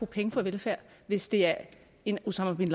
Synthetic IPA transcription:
oːpʰeŋəfɒ̽ʋelfæɐ̰ʋe̝sd̥e̝æɐ | e̝nusɑ̈mɐbinl

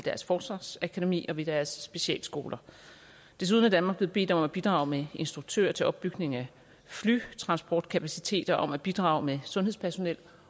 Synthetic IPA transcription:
ed̥æɐsfɒ̥ːsʋɑ̈ːsækʰode̝mḭːɒ̽ʋe̝d̥æɐsːb̥e̝ɕiɛ̰ːlsɡ̥o̝ːlɐ | d̥e̝s̬uðˠnæd̥ænmɑ̈ɡble̝ð̩ˠbe̝̰ːd̥ɒ̽mɒ̽mæb̥id̥ʁɑ̈ʊmee̝nsd̥ʁuɡ̥̚t͡sʰø̰ːɐt͡sʰe̝ʔɒ̽b̥ːyɡ̥ne̝ŋæ | fly̰t͡sʰʁɑ̈nsb̥ɒːd̥̚kʰæpʰæsit͡sʰe̝̰ːd̥ɐʔɒ̽mæb̥id̥ʁɑ̈ʊmesɔ̽nheðˠpʰæɐso̝nel̰

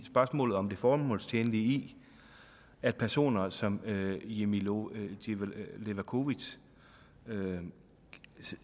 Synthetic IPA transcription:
sb̥ɶɐsmɔ̰ːlð̩ˠɒ̽md̥e̝fɒːmɔ̰̽ːlst͡sʰeːnlii | æd̥̚pʰæɐso̝̰ːnɐsɒ̽mje̝miele̝ʋækʰo̝ʋi̥ | ø

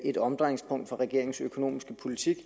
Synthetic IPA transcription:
ʔe̝dɒ̽md̥ʁɑŋspʰɔ̽ŋ̰d̥fɒ̽ʁɛɡ̥e̝ɐ̰e̝ŋsøkʰo̝no̝̰ːmisɡ̥əpʰo̝lit͡sʰiɡ̥

